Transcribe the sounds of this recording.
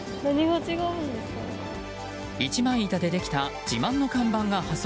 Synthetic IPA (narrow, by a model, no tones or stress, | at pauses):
naɲ̟iɡot͡ɕiɡaɯ̃nd̪eska | it͡ɕimãɰ̃it̪ad̪e̞d̪e̞kʲi̥t̪ad͡ʑimãnːo̞kãmbãŋɡahas